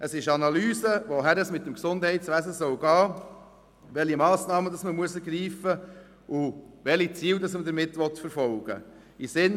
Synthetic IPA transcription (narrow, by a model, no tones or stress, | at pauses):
ʔəsɪʃɑnɑlyːsəʋɔɦæɾəsmɪt̚ːəmksʊndhɛɪtsʋæzəsœwɡɑː | ʋɛlimɑːsnɑːmədɑsməmuəsəɾɡɾiːfə | ʔʊʋɛlit͡siːwdɑsmədəɾmɪtːʋɔtfəɾfɔlɡ̥ə̰ | isɪn